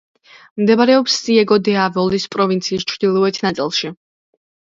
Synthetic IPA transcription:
md̪ɛbaɾɛɔpsːiɛɡɔd̪ɛavɔlispʼɾɔvint̪sʰiːst͡ʃʰɾd̪ilˠɔɛt̪ʰnat̪sʼilˠʃi

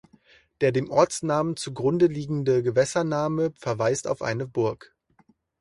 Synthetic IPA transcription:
d̥eːɐdeːmʔɔɐt͡snaːmənt͡suɡʁʊndəliːɡŋ̩dəɡəvɛsɐnaːməfɛɐvaɪsta̰ʊfʔa̰ɪnəbʊɐk

